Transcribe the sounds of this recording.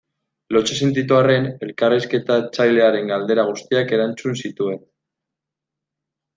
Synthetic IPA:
lo̞t͡ʃesent̪it̪̬uare̞ne̞lkariske̞t̪at͡sajle̞aɾe̞ŋɡald̪e̞ɾaɣ̞ust̪iake̞ɾant͡sunsit̪ue̞n

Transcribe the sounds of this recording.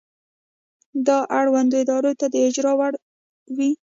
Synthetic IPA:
d̪ɑʔaɽwand̪oɪd̪ɑɾot̪ad̪əɪd͡ʒɾɑwaɽ | wi

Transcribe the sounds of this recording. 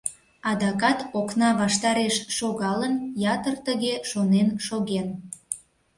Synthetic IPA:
ɑd̪ɑkɑt̪oknɑβɑʃt̪ɑɾeʃʃoɣɑlənjɑt̪ərt̪əɣeʃonenʃoɣen

